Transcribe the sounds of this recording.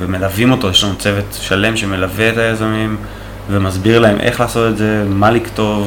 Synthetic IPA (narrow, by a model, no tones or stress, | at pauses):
veme̞lavimo̞t̪o̞jeʃlanut͡se̞vetʃale̞mʃe̞me̞laveːtajazamim | vemazbiʁlae̞mʔe̞χlaːso̞t̪etze̞malikto̞v